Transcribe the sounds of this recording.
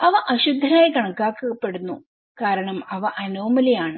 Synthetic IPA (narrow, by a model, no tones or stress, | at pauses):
ɐʋɐʔɐɕud̪ʱːɐnaːjkɐɳɐkːaːkːɨɣɐpːe̞ɽunːṵ | kaːɾɐɳɐmɐʋɐʔɐnoːmɐlɐjaːɳɨ